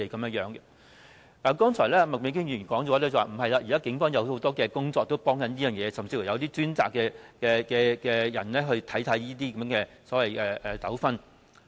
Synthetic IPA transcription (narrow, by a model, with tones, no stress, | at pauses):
e˨jkɐ˨˦mjɐ˥jœː˨˥ŋɡɛ˧ | aː˨˩kɔː˥ŋt͡ʃʰɔ̰ː˨˩jlɛː˥˨mɐ˨k̚me˨˧˥ŋkɪ˥ŋjyː˨˩y˨˩nkɔː˨˥ŋɔ˨˧˥lɛ˥t͡sɐ˨˩waː˨˩m̩˨˩ɦɐ˨jlaː˧jiː˨kaː˥kɪ˨˥ŋfɔː˥ŋjɐ˨˧who˨˥wt̪ɔː˥kɛː˧kʊ˥ŋt͡sɔː˧k̚t̪o˥wpɔː˥ŋkɐ˨˥njiː˥jœː˨˩ŋjɛː˨˧sɐ˨mt͡siː˧fu˨˩jɐ˧wt̪iː˥t͡ʃyː˥nt͡sa̰ː˨kːɛː˧kɛː˧kɛː˧kɛː˧jɐ˨˩nlɛː˥ɦɵ˧ɥt̪ʰɐ˨˥jt̪ʰɐ˨˥jjiː˥t̪iː˥kɐ˨˦mjːŋkɛː˧ | sɔː˨˥wɐ˨jʔɛː˨ʔɛː˨˩t̪ɐ˨˥wfɐ˥n